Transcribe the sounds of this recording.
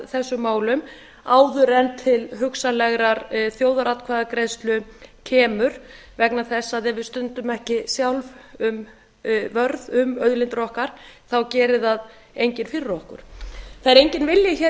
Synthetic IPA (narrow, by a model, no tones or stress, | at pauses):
θɛsːʏmaːwlʏm | aːwðʏɾɛnt̪ʰɪlɦʏksalɛɣɾaɾθjoːwðaɾat̪kʰvaðakɾejst̪lʏcʰɛːmʏɾ̥ | vɛknaθɛsːaðɛvɪðst̪ʏnt̪ʏmɛhcɪsjawlvʏm | vœɾðʏmœɥðlɪnt̪ɾɔhkaɾ̥θawcɛːɾɪðað | ejɲcɪnfɪrːɔhkʏ̰ɾ̥θajɾejɲcɪnvɪljɪçɛ